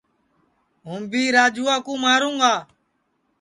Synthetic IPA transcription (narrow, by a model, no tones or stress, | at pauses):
ɦũːmbiːɾaːd͡ʒuːaːkũːmaːɾũːŋɡaː